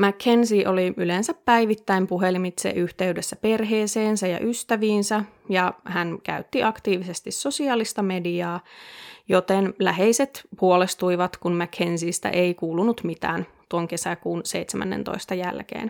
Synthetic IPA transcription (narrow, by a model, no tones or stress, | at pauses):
mækhensiʔoliylensæppæiʋit̪ːæimpuɦelimit̪sḛʔyht̪e̞ydesːæpe̞rɦeːseːnsæjɑ̰ʔyst̪æʋiːnsæ | jɑhænkæ̰yt̪ːiʔɑkt̪iːʋisest̪isːo̞siɑːlist̪ɑme̞diɑːjot̪enlæɦeiset̪puolest̪uiʋɑt̪kunmækhensiːst̪æ̰ʔeikuːlunut̪mit̪æ̰ːnt̪uoŋke̞sækuːnseit̪semæ̰nːḛnt̪o̰ist̪ɑjæ̰lkḛːn